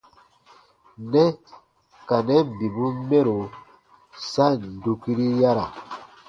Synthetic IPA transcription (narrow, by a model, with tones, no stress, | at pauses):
nɛ˦ | ka˨nɛ˦˨bi˨bu˦mɛ˦ɾo˨ | sa˦n˨du˦ki˦ɾi˦ja˦ɾa˨